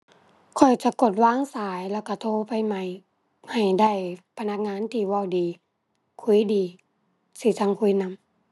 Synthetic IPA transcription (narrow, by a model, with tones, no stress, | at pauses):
kʰɔ˨˩jt͡ɕa˧˦ko˨˧˩t̪̚waː˧˥˨ŋsaː˨˦jlɛː˧˩wka˧˩t̪ʰoː˧˨pa˧jma˧˩j | ha˨˩jda˧˩˨jpʰa˧na˧˥k̚ŋaː˧˥˨nt̪ʰiː˧˩wa˧˩˨wdiː˨ | kʰu˧˥˦jdiː˨˦ | si˧˩˦sa˧ŋkʰu˧˦˨jna˧˥˨m